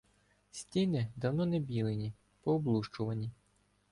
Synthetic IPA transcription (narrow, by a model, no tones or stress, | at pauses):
sʲtʲinɪd̪ɐwnɔnɛbʲilˠɪnʲi | pɔːblˠuʃt͡ʃʊʋɐnʲi